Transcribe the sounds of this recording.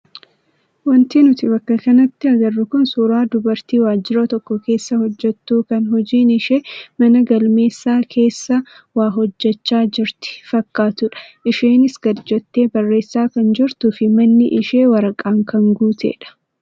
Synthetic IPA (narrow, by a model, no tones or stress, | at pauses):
wɐnt̪iːnʊt̪ɪbɐkːɐkɐnɐt̪ːɪɐɡɐrːʊkʊnsuːɾaːd̪ʊbɐɾt̪iːwaːd͡ʒːɪɾɔt̪ɔkːɔke̞ːsːɐhɔd͡ʒːɛt̪ːuːkɐnɦɔd͡ʒiːnɪʃemɐnɐɡɐlmeːsːaːkʰe̞ːsːɐ | waːɦɔd͡ʒːɛt͡ʃːaːd͡ʒɪɾt̪ɪ̥fɐkːaːt̪ʊᶑɐ̥ʔɪʃeːnɪsɡ̥ɐd͡ʒɔt̪ːe̞ːbɐrːe̞ːsːaːkɐnd͡ʒɪɾt̪ʊfɪmɐnːɪʔɪʃe̞ːwɐɾɐkʼaːŋkɐŋɡuːt̪ʰḛːᶑɐ̥